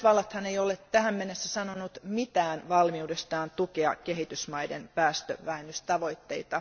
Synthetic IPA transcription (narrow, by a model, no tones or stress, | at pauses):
ʋɑlːɑt̪hɑneijolett̪æhæmmenːesːæsɑnonut̪mit̪æːnʋɑlmiudest̪ɑːnt̪ukeɑ̰kehit̪ysmɑidḛnpæːst̪ø̰ʋæenːyst̪ɑʋoit̪ːeit̪ɑ